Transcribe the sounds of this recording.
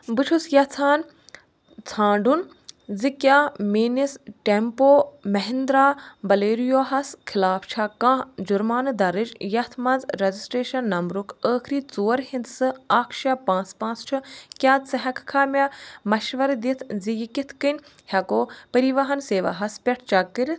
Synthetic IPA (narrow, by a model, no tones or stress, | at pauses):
bɨʈʰusjɐt͡s̪ʰaːn | t͡sʰãːɳɖun | zikʲjaːmeːnisʈempoːmɐɦind̪ɾaːbɐleːɾijoːɦɐskʰɪlaːpʰt͡ʃʰakãːd͡ʒuɾmaːnɨd̪ɐɾɨd͡ʒjɐt̪ʰmɐnzɾezisʈɾeːʃɐnːɐmɾukʰəːkʰɾiːt͡suːɐɾɦĩnd̪sɨaːkʰʃaːpãːt͡spãːt͡st͡ʃʰukʲaːsɐɦɐkʰkʰaːmʲaːmɐʃʋɐɾd̪it̪ʰzijikit̪ʰkɨnʲ | hʲɐkoːpɐɾiʋɐɦɐnseːʋa̰ːɦɐspʲɛʈʰt͡ʃakːɨɾ